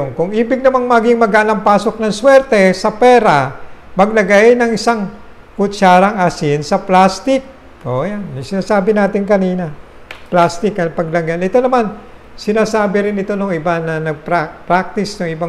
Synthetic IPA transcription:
ŋkʊŋʔiːbɪɡ̚nɐmaŋmɐɡɪŋmɐɡaʔlɐŋpaːso̞k̚nɐŋswɛɾt̪ɛsɐpɛːɾamɐɡ̚lɐɡajnɐŋɪsaŋ | kʊt͡ʃaːɾɐŋɐsɪnsɐplast̪ɪk̚ | ʔoʔjansɪnaːsaːbɪnaːt̪ɪŋkɐniːnɐ | plast̪ɪkɐpɐɡ̚lɐŋɡanɪt̪o̞nɐman | sɪnaːsaːbɪɾɪnɪt̪o̞nʊŋɪbanɐnɐɡ̚pɾapɾak̚t̪ɪsnʊŋɪba

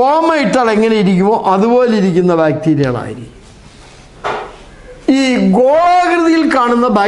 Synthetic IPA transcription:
oːmɐjiʈːaːɭe̞ŋːɐnejiɾikʲːumoːʔɐðubo̞ːleiɾikʲːunːɐbaːk̚t̪iːɾija̰ːɭa̰ːjiɾḭkʲː | iːɡoːaːɣɾɐðijilkaːɳunːɐbaː

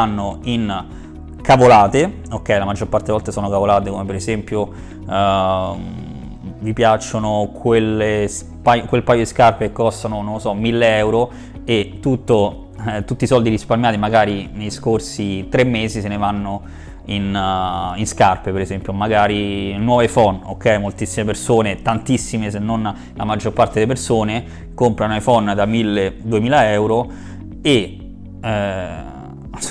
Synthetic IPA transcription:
anːoin | kavolaːt̪e | okːɛjlamad͡ʒːorpart̪evɔlt̪asoːnokavolaːt̪ekomepeɾezɛmpjo | vipjat͡ʃːonokʰweles | pajkwelpajod̪iskarpekːɔst̪anonõlsɔmilːeɛwɾo | et̪ːut̪ːo | t̪ːut̪ːisɔld̪iɾisparmjaːt̪imaɡaːɾinejskorsit̪ɾemːeːzisenevanːo | in | inskarpepeɾezɛmpjomaɡaːɾinwɔːvefɔno̰kːɛjmolt̪isːimepersoːnet̪ant̪isːimesenːon | lamad͡ʒːorpart̪ed̪elepersoːne | kompɾanoefɔnd̪amilːed̪uemiːlaɛwɾo | e | ɛ

